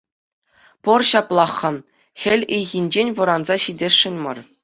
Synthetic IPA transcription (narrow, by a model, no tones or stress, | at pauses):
pɤ̆rɕɑplˠɑχːɤ̆ | xʲɘ̆lʲɘjɣʲinʲd͡ʑenʲʋɤ̆ɾɑnzɑɕidʲeʂːɘ̆nʲmɤ̰̆r